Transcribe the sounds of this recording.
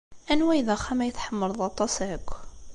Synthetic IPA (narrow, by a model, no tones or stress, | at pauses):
ænwæjðæχæmæjəθħəmːəɾˤðˤɑt̪ˤɑsəkʷː